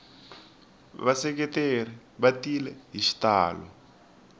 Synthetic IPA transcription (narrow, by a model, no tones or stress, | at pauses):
βasɛk̬ɛteri | βatilɛɦiʃi̥taːlɔ̰